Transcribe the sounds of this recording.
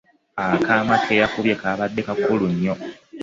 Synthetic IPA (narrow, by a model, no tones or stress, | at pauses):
akaːmakʰejakuβje̞kaβadːe̞kakuluɲːo